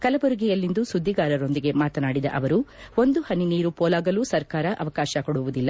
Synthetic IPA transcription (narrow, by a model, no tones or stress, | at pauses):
kɐlɐbuɾuɡɛjɐlːind̪usud̪ʱːiɡaːɾɐɾo̞nd̪iɡe̞maːt̪ɐnaːɽid̪ɐ̰ʔɐʋɐɾuo̞nd̪uhɐniniːɾupɔːlaːɡɐluːsɐɾkaːɾɐʔɐ̰ʋɐkaːʃɐkoɽuʋud̪ilːɐ